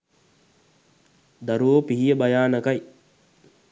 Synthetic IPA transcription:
d̪ɐɾuoːpiɦijəbajaːnɐkaj

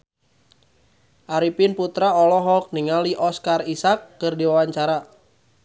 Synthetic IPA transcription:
ʔaɾipɪnput̪ɾaɔlɔɦɔk̚niŋaliʔɔskarisakːɨrdiwawaɲt͡ʃaɾa

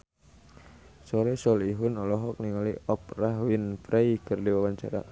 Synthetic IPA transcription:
sɔɾɛsɔliɦʊnɔlɔɦɔk̚niŋaliɔp̚raɦwinfɾejkɨrdiwawaɲt͡ʃa̰ɾa̰

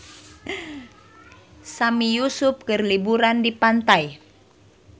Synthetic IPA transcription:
samijusʊp̚kərlibuɾandipant̪aj

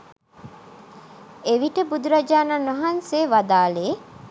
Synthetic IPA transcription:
eʋiʈəbud̪uɾad͡ʒaːnaːnoɦanseːʋad̪aːleː

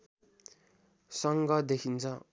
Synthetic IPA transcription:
sʌŋɡʌd̪ekʰint͡sʰʌ

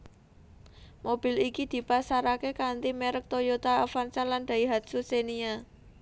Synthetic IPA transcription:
mob̥i̤likid̪̥i̤pasaɾakekant̪imeɾək̚t̪ojot̪aafansaland̪̥a̤iɦat̪̚susenia

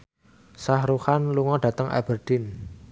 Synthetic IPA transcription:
sahɾuhanluŋɔɖ̥ä̤t̪əŋʔa̰b̥ərd̪̥ɪn

